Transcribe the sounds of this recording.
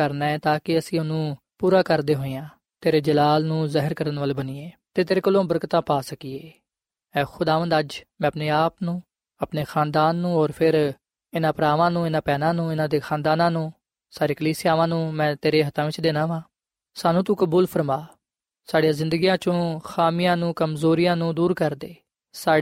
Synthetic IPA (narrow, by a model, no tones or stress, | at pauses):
əɾnaːɛːt̪aːkɪəsĩːʊnũː | puːɾaːkəɾd̪eːɦoːejãː | t̪eːɾeːd͡ʒəlaːlnũːzɛɦəɾkəɾənʋəlːbənieːt̪eːt̪eːɾeːkəlːõːbəɾkt̪ãːpaːsəkiːeː | ɛːxʊd̪aːʋə̃nd̪əd͡ʒmɛ̃ːəpneːaːpnũː | əpneːxʰaːnd̪aːnːũːoːɾpʰɪɾ | ɪnãːpɾaːʋãːnũːɪnãːpɛːnãːnũːɪnãːd̪eːxʰãːnd̪aːnãːnũː | saːɾeːkəliːsɪjaːʋãːnũːmɛ̃ːt̪eːɾeːɦət̪ʰãːʋɪt͡ʃd̪eːnãːʋãː | saːnũːt̪̬uːkəbuːlpʰəɾmaː | saːɽijãːzɪ̃nd̪əɡijãːt͡ʃõːxʰaːmɪjãːnũːkəmzoːɾɪjãːnũːd̪uːɾkəɾd̪eː | saː